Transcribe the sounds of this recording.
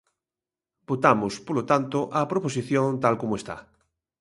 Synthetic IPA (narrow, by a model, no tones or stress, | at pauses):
bot̪amospolot̪ant̪oʔapɾopos̬iθjõnt̪alkomoest̪a̰